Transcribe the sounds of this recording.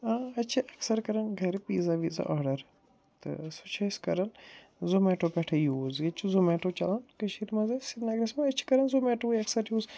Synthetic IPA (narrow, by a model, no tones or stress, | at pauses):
aːɐt͡ʃʰiʔɐksɐɾkɐɾɐnɡʱɐɾpiːzaʋiza̰ʔaːɖɐɾ | t̪ɨ̰sut͡ʃʰɐskɐɾɐn | zomɛːʈopɛʈʰɐjuːzɡɐt͡ʃʰuzomɛːʈot͡ʃɐlɐnkɐʃiɾmɐzɐsinɐɡɾɐsmɐɐt͡ʃʰi̥kɐɾɐnzomɛːʈojɐksɐɾjuːz